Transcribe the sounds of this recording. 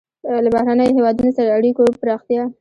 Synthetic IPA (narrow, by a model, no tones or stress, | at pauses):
labahɾanəjoɦewɑd̪unosaɾaaɽikopɾɑxt̪ijɑ